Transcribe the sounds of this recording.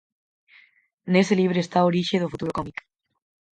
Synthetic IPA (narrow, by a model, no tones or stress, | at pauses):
neseliβ̞ɾeest̪aoɾiʃeðofut̪uɾokɔmik